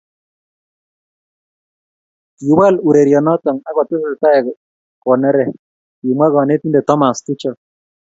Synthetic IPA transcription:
ti˨˦wa˦˨lu˨ɾe˨ɾjɔ˨nɔ˦t̪ɔ˨ŋa˦ɣɔ˨t̪ɪ˦sɪ˨ta˦ɛ˨ | kɔ˨nɛ˦ɾɛ˨ | ki˨mwa˦ɣɔ˨ne˦ti˦ndɛ˨t̪ɔ˦ma˨sti˦t͡ʃɔ˦˨

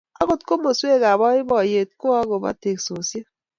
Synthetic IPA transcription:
a˦ɣo˨tko˦mo˨swe˦˨ɣa˨βɔ˦i˦bɔ˨je˨t̚ko˦a˦ɣo˨ba̰˦te˨kso˨sje˦

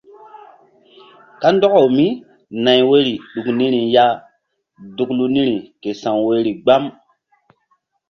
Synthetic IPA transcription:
ka˦ndɔ˦ka˨wmi˦ | na˨jwe˦ɾi˨ɗu˨kni˦ɾi˨ja˦ | du˦klu˦ni˦ɾi˨ke˨sã˨ŋwe˦ɾi˨ɡ͡ba˦m

